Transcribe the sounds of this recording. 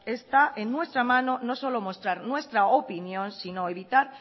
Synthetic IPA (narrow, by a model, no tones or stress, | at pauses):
e̞st̪aʔenːwe̞st̪ɾamãno̞no̞so̞lo̞mo̞st̪ɾaɾnwe̞st̪ɾaopinjõ̞nsinoeβit̪aɾ